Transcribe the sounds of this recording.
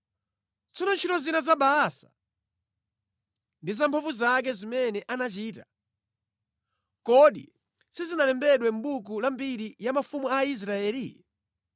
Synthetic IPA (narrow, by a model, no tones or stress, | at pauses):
t͡sɔnɔnt͡ʃʰitɔzinazaɓaːsḁ | ndizampʰavuzak̬ɛzimɛnɛʔanat͡ʃiːta | kɔɗi | sizinalɛmbɛɗwɛm̩ɓuk̬ulambiɾijamafumuais̬ɾaɛːli